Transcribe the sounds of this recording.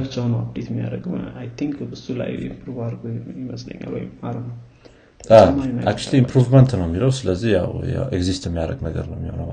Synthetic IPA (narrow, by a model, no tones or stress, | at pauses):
bt͡ʃanəwabd̪et̪jmːija̰ɾəɡɨmajt̪ʰiŋkbɨsula̰jḭmpɾuvaɾɡojiməslə̰ɲːa̰lwo̰jmaɾənəw | amaaak̚t͡ʃuliipʰɾuvmənt̪nəwmːiləwsɨləzːihja̰wa̰eɡzist̪jɛmːijaɾə̰ɡnəɡə̰ɾnəwmːihonəw